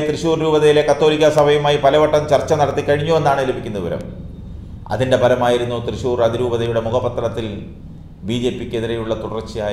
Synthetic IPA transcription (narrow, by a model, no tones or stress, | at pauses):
t̪rɨɕuːrɾuːbɐðɐjile̞kɐt̪ːo̞ːlikʲːɐsɐbʱɐjumaːjipɐlɐʋɐʈːɐmt͡ɕɐrt͡ɕːɐnɐɽɐt̪ːikːɐɻiɲːue̞nːaːɳɨilupːikʲːunːɐʋiʋɐɾɐ̰m | ɐ̰ðinde̞bʱɐlɐmaːjiɾunːuːt̪rɨɕuːrɐðiɾuːbɐðɐjuɽe̞muɡɐbɐt̪ːrɐɽɐt̪ːil | biːd͡ʑe̞ːpːikʲːe̞ðiɾɐjuɭːɐt̪uɽɐrt͡ɕːijaː